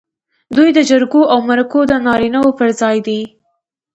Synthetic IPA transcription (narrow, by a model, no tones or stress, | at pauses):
d̪ujd̪əd͡ʒaɾɡoʔawmaɾakod̪ənɑɾinawopəɾzɑjd̪i